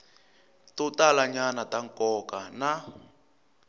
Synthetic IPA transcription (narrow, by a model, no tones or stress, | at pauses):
tutalaɲanataŋkɔkana